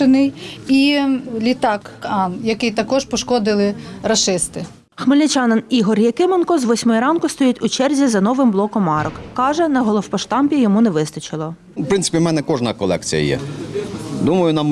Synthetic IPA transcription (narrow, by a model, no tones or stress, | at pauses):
ɪnɪjilʲit̪ɑkɑnjɐkɪjt̪ɐkɔʒpɔʃkɔd̪ɪlˠɪɾɐʃɪst̪ɪ | xmɪlʲnʲɪt͡ʃɑnɐniɦɔrjɐkɪmenkɔzʋɔsʲmɔjiɾɑnkʊst̪ɔjitʲʊt͡ʃɛrzʲizɐnɔʋɪmblˠɔkɔmːɑɾɔkːɑʒɛnɐɦɔlˠɔwpɔʃt̪ɑmpʲijɔmunɛʋɪst̪ɐt͡ʃɪlˠɔ | wpɾɪntsɪ̥pʲimɛnɛkɔʒnɐkɔlˠɛ̰kt͡sʲḭjɐ̰jɛ̰ | d̪umɐjʊnɐm